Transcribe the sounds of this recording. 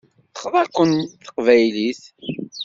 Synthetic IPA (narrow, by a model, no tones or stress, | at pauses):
θə̥χðˤækʷːənθə̥qvæjliθ